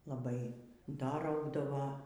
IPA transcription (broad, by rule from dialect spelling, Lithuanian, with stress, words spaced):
lˠɐˈbɐɪ ˈdɐ ˈrɐʊɡdɐʋoː